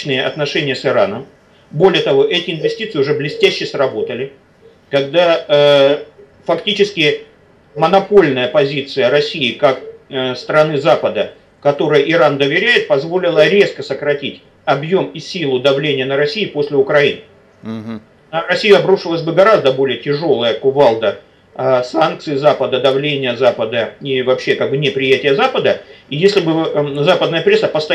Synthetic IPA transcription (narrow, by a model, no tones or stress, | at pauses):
nɨjəʔɐ̰t̪nɐʂɛnʲɪjəsɨɾa̰nəm | bo̞lʲɪjət̪ɐvo̞ʔɛtʲɪɪnvʲɪsʲtʲit̪sɨɪʊʐɛblʲɪsʲtʲæɕːɪsrɐbo̞t̪əlʲɪ | kɐɡd̪a | fɐktʲit͡ɕɪskʲɪ | mənɐpo̞lʲnəjəpɐzʲit̪sɨjəɾɐsʲiɪkakst̪ɾɐnɨzapəd̪ə | kɐt̪o̞ɾɨjəʔɪɾand̪əvʲɪɾʲæjɪt̪̚pɐzvo̞lʲɪlˠəɾʲe̞skəsəkɾɐtʲitʲ | ɐbjo̞misʲilˠʊd̪ɐvlʲenʲɪjənəɾɐsʲijɪpo̞sʲlʲɪʊkɾɐinɨ | rɐsʲijʊɐbɾuʂɨlˠəsʲbɨɡɐɾazd̪əbo̞lʲɪjətʲɪʐo̞lˠəjəkʊvalˠd̪ə | sank̚t̪sɨjɪzapəd̪əd̪ɐvlʲenʲɪjəzapəd̪əivɐpɕːe̞kaɡ̚bɨnʲɪpɾʲɪjætʲɪjəzapəd̪əijesʲlʲɪbɨzapəd̪nəjəpɾʲe̞sːəpəst̪ɐ